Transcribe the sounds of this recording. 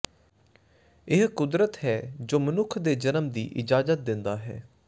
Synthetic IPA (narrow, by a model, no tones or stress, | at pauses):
ɪɦkʊd̪ɾət̪ɦɛːd͡ʒoːmənʊkʰd̪eːd͡ʒənəmd̪ḭːʔɪd͡ʒaːzət̪̚d̪ɪnd̪aːɦɛ̰ː